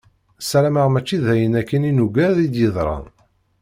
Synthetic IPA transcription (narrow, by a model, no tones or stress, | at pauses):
sæɾæməʁmæt͡ʃːiðæjənækːəninuɡæðid̪jəðˤɾˤɑ̰